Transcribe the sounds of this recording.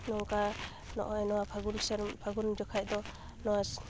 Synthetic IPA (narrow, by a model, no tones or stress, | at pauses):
nɔŋka | nɔ̰ʔɔɛnɔwapʰaɡuɾsɛɾpʰaɡuɾmd͡ʒɔkʰajd̪ɔ | nɔwas